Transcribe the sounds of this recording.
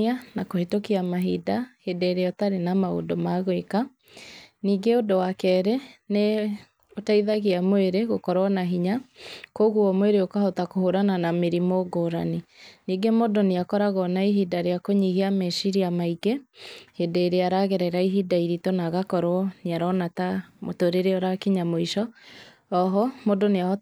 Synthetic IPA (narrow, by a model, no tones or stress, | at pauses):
anakohetokiamaɦidahedeeɾeɔtaɾenamao̰domaɣweka | niːɡeodowakɛɾɛne | otaiðaɣiamweɾeɣokɔɾwɔnaɦiɲakoɣuɔmweɾeokahɔtakohoɾananameɾimoɡoːɾa̰niniːɡemodoneakɔɾaɣɔnaiɦidaɾeakoɲiɣeamɛʃiɾiamaiɡehedeeɾeaɾaɣɛɾɛɾaiɦidaiɾitonaɣakɔɾɔneaɾɔnatamotoɾeɾeɔɾakiɲamoiʃɔ | ɔɦɔmodonea